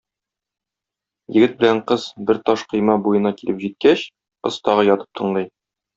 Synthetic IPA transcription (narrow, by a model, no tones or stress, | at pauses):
jɘ̆ɡɘt̪̚bɘ̆læɴqɤz̥bɘɾt̪ɒʃqɤ̆jmɑbujɤ̆nɑkilɘpʑit̪̚kæɕ | ŏst̪ɒʁɤjɒt̪ɤ̥p̚t̪ʰɤ̆ɴlˠɤj